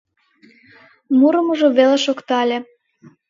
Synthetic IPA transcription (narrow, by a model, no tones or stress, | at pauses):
muɾəmuʒoβeleʃokt̪ɑlʲe